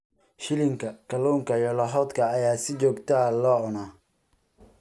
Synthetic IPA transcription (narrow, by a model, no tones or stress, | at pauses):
ʃɪlɪŋkʰɐkʰɐluːŋkʰɐjɔlɐɦɔːd̪kʰɐːjaːsɪt͡ʃɔːɡt̪ʰalɔːʔʊnaː